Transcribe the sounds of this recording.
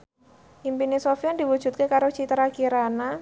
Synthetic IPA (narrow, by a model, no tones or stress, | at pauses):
ʔimpinisofiand̪iwud̥ʒ̥ṳt̪̚kekaɾot͡ʃit̪ɾakiɾana